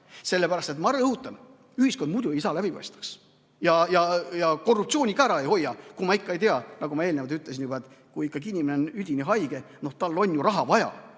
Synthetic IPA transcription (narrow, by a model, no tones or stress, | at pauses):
se̞lːe̞pæɾɑst̪et̪mɑɾɤhut̪ːˑɑn | yhisko̞nd̪mud̪̥uejsɑːlæb̥ipɑ̰jst̪ɑ̥ks | jɑjɑjɑko̞rːupt̪sio̞ːnʲikɑæɾɑe̞jho̞jːɑkumɑikːɑe̞jt̪eɑnɑɡumɑe̞ːlne̞vɑd̪yt̪ːˑles̬ʲinjubɑet̪ːˑ | kuikːɑɡinʲimeneonyd̪ʲiniɦɑjɡ̥e̞no̞ht̪ɑlːo̞nʲjuɾɑɦɑvɑjɑ̰